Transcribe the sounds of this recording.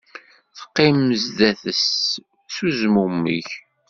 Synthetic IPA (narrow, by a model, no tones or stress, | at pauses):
θə̥qːɪməzðæθəs | θuzmumə̰ç